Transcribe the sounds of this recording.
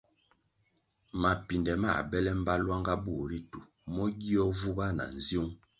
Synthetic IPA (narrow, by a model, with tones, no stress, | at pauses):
ma˨pi˨ndɛ˨ma̰˦˨bɛ˦lɛ˦m̩˦ba˦lwa˦ŋɡa˦bu˦˨ɾi˦tu˨ | mɔ˦ɡi˦ɔ˦vu˦ɡa˦na̰˨n̩˨zju˦ŋ